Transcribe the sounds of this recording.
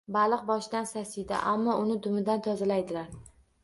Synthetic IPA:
balˠɨq̚bɒʃɪd̪ansasɪd̪a̰ʔamːɒʔʊnɪd̪ʊmɪd̪ant̪ʰɒzalajd̪ɪlaɾ

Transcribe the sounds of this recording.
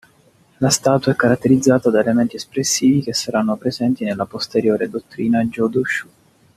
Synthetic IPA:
last̪aːt̪uaɛkːaɾat̪ːeɾid̪zːaːt̪ad̪aelement̪iespɾesːiːvikesːaɾanːopɾezɛnt̪inelːapost̪eɾjoːɾed̪ot̪ːɾiːnad͡ʒɔd̪uʃu

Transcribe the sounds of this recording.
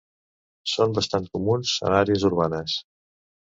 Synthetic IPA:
sombəst̪ant̪̚kumunzə̰naɾeəzuɾβanəs

